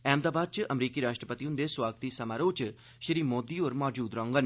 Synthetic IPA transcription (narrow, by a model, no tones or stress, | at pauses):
ɛ̃ːmd̪aːbaːd̪̚t͡ʃʔɐmɾiːkiɾaːʃʈɾəpət̪iũnd̪eswaːɡt̪isɐmaːɾoːt͡ʃ | ʃɪɾiːmoːd̪iːoːɾmɔːd͡ʒuːd̪ɾɔ̃ːŋɡən